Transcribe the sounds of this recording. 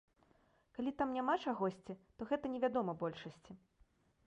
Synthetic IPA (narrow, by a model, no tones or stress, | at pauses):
kalʲit̪amnʲamat͡ʂaɣɔsʲt͡sʲit̪ɔɣɛt̪ɐnʲɛvʲad̪ɔmɐbɔlʲʂɐsʲt͡sʲi